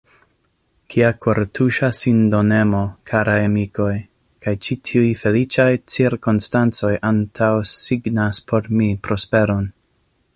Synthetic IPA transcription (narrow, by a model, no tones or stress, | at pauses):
kʰiakʰoɾtʰuʃasindo̞ne̞mo̞kʰaɾaemiko̞j | kajt͡ʃitʰiujfe̞lit͡ʃajt͡siɾkonstant͡so̞jʔantʰawsiɡnaspʰo̞ɾmipɾo̞spe̞ɾo̞n